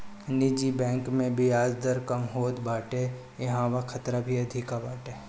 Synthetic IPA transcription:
nid͡ʒibɛ̃ːŋkmẽbʱiaːd͡ʒd̪əɾkɐmɦoːt̪baːʈe | jɐɦãːwakʰɐt̪ɾabʱiɐd̪ʱɪkabaːʈeː

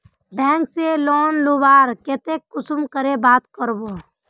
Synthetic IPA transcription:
bɛ̃ːŋkselɔːnloːbaːɾkeːt̪ekːʊsʊmkəɾebaːt̪kəɾboː

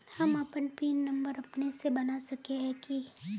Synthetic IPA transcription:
hɐmɐpənpiːnːɐ̃mbəɾɐpnesebɐnasɐkeɦɛ̃ki

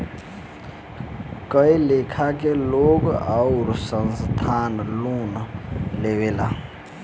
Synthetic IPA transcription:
kəilekʰakeloɡaʊɾsənst̪ʰaːnlonlewela

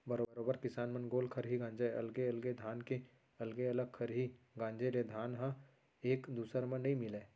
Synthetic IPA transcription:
bɐɾoɾoːbəɾkɪsaːnmɐnɡoːlkʰɐɾɦiɡãːɲd͡ʒeɐ̰lɡeɐlɡed̪ʱaːnke | ɐlɡeɐləɡ̚kʰɐɾɦi | ɡãːɲd͡ʒeɾed̪ʱaːnɦã | eːkd̪uːsəɾmə̃nːɐɦĩmɪleː

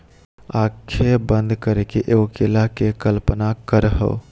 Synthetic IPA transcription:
akʰebənd̪ʱkəɾekeʔeokelakekəlpənakəɾəɦə̰ʊ

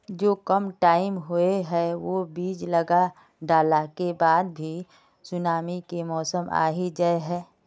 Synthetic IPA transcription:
d͡ʒoːkəmʈaːɪmɦueɦɛʋoːbiːd͡ʒləɡa | ɖaːlakebaːd̪̚bʱi | sʊnaːmikemɔːsəma̰ːɦid͡ʒaeɦɛː

